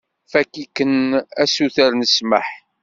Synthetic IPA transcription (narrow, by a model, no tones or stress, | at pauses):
fækːikːənæsuθəɾnəsməħ